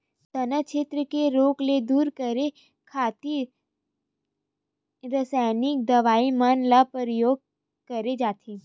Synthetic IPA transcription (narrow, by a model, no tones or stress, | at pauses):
sɐnət͡ʃʰet̪ɾəkeɾoːkled̪uːɾkəɾe | kʰaːt̪i | ɾəsaːjnɪk̚d̪ɐʋaːimənlapəɾəjoːɡ̚ | kəɾed͡ʒaːt̪ʰi